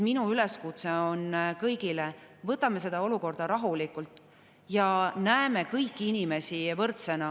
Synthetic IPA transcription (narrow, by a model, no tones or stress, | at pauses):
minuyle̞skut̪seo̞nkɤjɡilevɤt̪ːˑɑme̞s̬e̞d̪̥ɑo̞luko̞rd̪̥ɑɾɑɦulikːˑult̪ːˑ | jɑnæeme̞kɤjkːiinʲime̞sivɤrt̪se̞nɑ